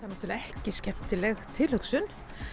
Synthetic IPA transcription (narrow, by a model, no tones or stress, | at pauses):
aðnat̪uɾlɪɛhcɪscɛm̥t̪ɪlɛɣt̪ʰɪlhʏksʏn